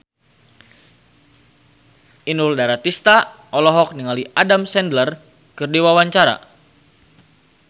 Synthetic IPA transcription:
ʔinuldaɾat̪ist̪a | ɔlɔɦɔk̚niŋaliʔadamsɛndlər | kɨrdiwawaɲt͡ʃaɾa̰

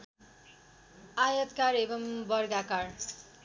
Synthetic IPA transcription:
ajʌt̪kaɾebʌmbʌrɡakar

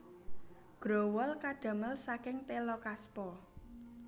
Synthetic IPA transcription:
ɡ̥ɾowɔlkaɖ̥a̤məlsakɪŋt̪elɔkaspɔ

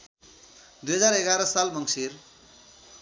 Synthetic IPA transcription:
d̪ujɦʌd͡zareɡaɾʌsalmʌŋsir

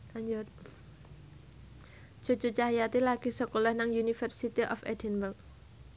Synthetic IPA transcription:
aɲd͡ʒɔ | d͡ʒ̥o̤t͡ʃut͡ʃajat̪ilaɡ̥isəkolɔhnaŋjunifərsit̪iʔɔfɛ̰d̪ɛnbərk̚

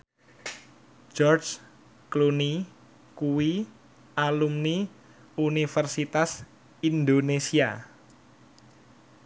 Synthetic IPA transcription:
d͡ʒɔrd͡ʒ | kluni | kuwi | ʔalumni | unifərsit̪as | ind̪onesia

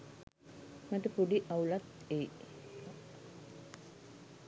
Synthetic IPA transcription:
maʈəpuɖiʔaulat̪ | eː

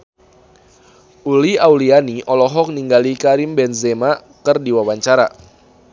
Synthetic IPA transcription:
ʔuliawlianiʔɔlɔɦɔk̚niŋɡalikaɾimbɛnzema | kərdiwawaɲt͡ʃaɾa̰

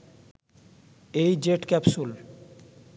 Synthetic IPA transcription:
ejd͡ʑeʈkɛpsul

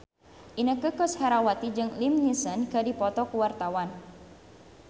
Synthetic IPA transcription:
ʔinəkəkɔshɛɾawat̪id͡ʒɨŋlimɲisənkədipɔt̪ɔkuwart̪awan

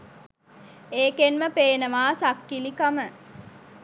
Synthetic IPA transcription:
eːkenməpeːnəʋaːsakːilikamə

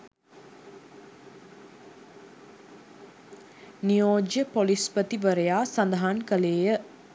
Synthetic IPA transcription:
nijoːd͡ʒjəpolispət̪iʋəɾəjaːsand̪əɦankəleːjə

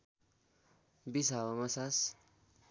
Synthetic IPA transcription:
bisawamasas

